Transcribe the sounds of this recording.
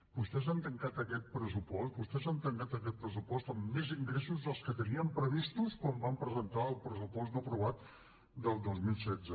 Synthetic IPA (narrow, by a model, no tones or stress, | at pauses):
bust̪ɛzant̪əŋkat̪əkɛt̪̚pɾəsupɔst̪̚bust̪ɛzant̪əŋkat̪əkɛt̪̚pɾəs̬upɔst̪əmːeziŋɡɾesuzðəlˠskət̪əniəmpɾəβist̪uskwambampɾəzənt̪aəlˠpɾəsupɔst̪d̪əpɾuβ̞at̪̚ | d̪əlˠd̪ozmilˠsɛdd͡zə